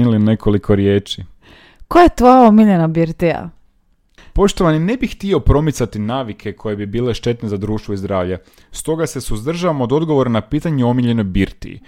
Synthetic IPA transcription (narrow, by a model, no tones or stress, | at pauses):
ilinekʰo̞likʰo̞ɾjeːt͡ʃi | kojet̪ʋojaomiʎenabiɾt̪ia̰ | po̞ʃt̪o̞ʋanine̞bixt̪iopɾo̞mit̪sat̪inaːʋikʰe̞kʰo̞je̞bibiːle̞ʃt̪e̞t̪ne̞zad̪ɾuːʃt̪ʋo̞izd̪ɾaːʋʎa | st̪o̞ɡase̞suzd̪r̩ʒaʋamod̪o̞d̪ɡo̞ʋo̞ɾanapiːt̪aɲeo̞miʎe̞no̞jbiɾt̪ḭḭ